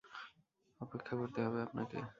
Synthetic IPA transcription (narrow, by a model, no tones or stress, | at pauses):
ɔpekʰːakoɾt̪eɦɔbeapna̰kḛ